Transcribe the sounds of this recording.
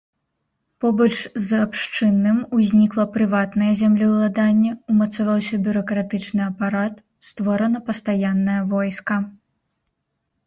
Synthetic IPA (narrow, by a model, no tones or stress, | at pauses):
pɔbɐt͡ʂzapʂt͡ʂɨnːɨmuzʲnʲiklˠɐpɾɨvat̪nɐjɐzʲamlʲiwlˠad̪anʲːɛumɐt̪savawsʲɐbʲuɾɐkɾat̪ɨt͡ʂnɨɐpaɾat̪ | st̪vɔɾɐnɐpɐst̪ajanːɐjɐvɔjskɐ